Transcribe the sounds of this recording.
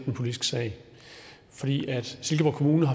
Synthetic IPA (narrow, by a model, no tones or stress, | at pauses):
d̥enpʰo̝lid̥isɡ̥əsɛ̰ɪ̰ | fɒ̽d̥ḭːʔæd̥se̝lɡ̥əʋɒkʰo̝muːnəɦɑ